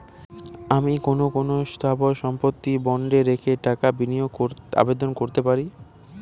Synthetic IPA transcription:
amikonokonost̪ʰaboʃɔmpot̪ːibɔɳɖeɾekʰeʈakabinijooɾa̰bed̪onkoɾt̪epaɾi

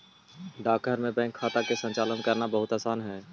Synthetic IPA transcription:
ɖaːkːəɾmẽbɛ̃ːŋkʰːaːt̪akesə̃nt͡ʃaːlənkəɾnabəɦʊt̪aːsaːnɦɛː

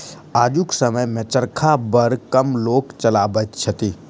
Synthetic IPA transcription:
aːd͡ʒuksəməjmẽt͡ʃəɾkʰabəɾkɐmloːkt͡ʃɐlaːbət̪t͡ʃʰət̪i

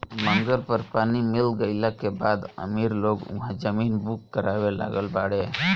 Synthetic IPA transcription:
məŋɡəlpəɾpaːnimilɡəjlakebad̪ə̰miɾloɡʊ̰̃ɦãd͡ʒəminbukːəɾabela̰ɡəlbaɽɛ

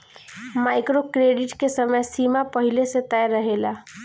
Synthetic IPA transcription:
maɪkɾokɾeɖiʈkesəməjsimapəɦilesẽt̪ɛjɾəɦela

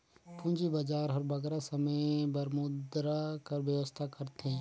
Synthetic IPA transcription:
pʰũɲd͡ʒibad͡ʒaːɾɦɐɾbɐɡɾasɐməjbɐɾmʊd̪ɾakɐɾʋjəʋəst̪ʰakɐɾt̪ẽː

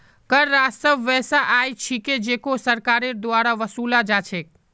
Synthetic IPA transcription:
kəɾːast̪əbʋɛːsaʔaːjt͡ʃʰiked͡ʒeːkosəɾkaːɾeɾd̪waːɾaʋəsuːlad͡ʒat͡ʃʰe

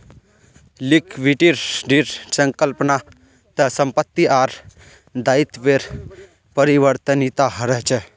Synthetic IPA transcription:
likʋiʈiɾɖiɾsə̃ŋkəlpna | t̪ɐsəmpət̪ːiʔaːɾ | d̪aːit̪ʋeɾ | pəɾiʋəɾt̪ənit̪aɦɐɾɛt͡ʃʰɛ

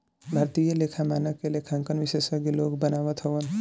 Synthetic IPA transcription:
bʱaɾt̪ijəlekʰamaːnəkelekʰaŋkənʋisesəɡeloːɡbənaːʋət̪ɦoʋən

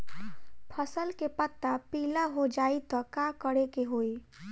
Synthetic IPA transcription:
pʰəsəlkepət̪ːapilaɦod͡ʒait̪ɔkakəɽekeɦoj

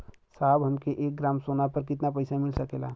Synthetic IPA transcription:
sabɦəmkeʔek̚ɡɾamsonapəɾkɪt̪napəɪsamilsəkela

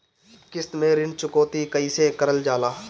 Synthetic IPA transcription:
kɪst̪mẽɾɪnt͡ʃʊkoːt̪ikəiːsekəɾəld͡ʒaːlaː

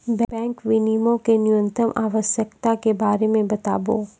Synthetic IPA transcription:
bbɛ̃ːŋkʋɪnimõkenʊjə̃nt̪ɾəmʔaːʋəʃjəkt̪akebaːɾemẽbɐt̪a̰ːboː

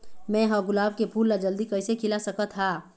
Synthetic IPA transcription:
mɛ̃ɦəɡʊlaːb̚kepʰuːlːad͡ʒəld̪ikəɪsekʰɪlasəkət̪ʰːaː

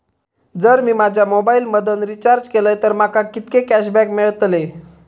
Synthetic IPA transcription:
d͡zəɾmiːmad͡ʑʱjamobailməd̪ənɾit͡ɕaɾd͡ʑkeləjt̪əɾmakakit̪kekæɕbɛkmeɭt̪le

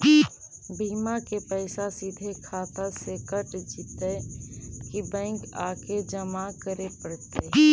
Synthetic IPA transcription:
bʱiːmakepɛːsasid̪ʱekʰaːt̪aseːkəʈd͡ʒiːt̪e | kibɛ̃ːŋkaːked͡ʒəmakəɾepəɽt̪e

